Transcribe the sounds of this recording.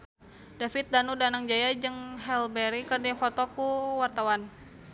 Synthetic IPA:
dafit̪̚danudanaŋd͡ʒajad͡ʒɨŋɦɛlbɛɾikərdiŋfɔt̪ɔkuwart̪awan

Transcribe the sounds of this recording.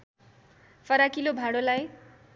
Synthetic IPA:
fʰʌɾakilobʱaɽolaj

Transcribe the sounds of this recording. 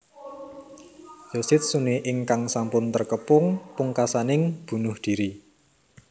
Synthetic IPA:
josɪt̪̚suniʔɪŋkaŋsampʊnt̪ərkəpʊŋpuŋkasanɪŋb̥ṳnʊhd̪̥i̤ɾi

